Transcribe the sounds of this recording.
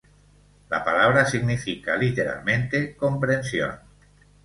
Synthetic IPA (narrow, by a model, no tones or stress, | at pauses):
la̰palaβ̞ɾasiɣnifika̰lit̪eɾa̰lmẽnt̪ekompɾensjo̰n